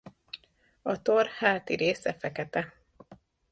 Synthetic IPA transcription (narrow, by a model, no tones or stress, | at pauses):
ɒt̪orhaːt̪iɾeːsɛfɛkɛt̪ɛ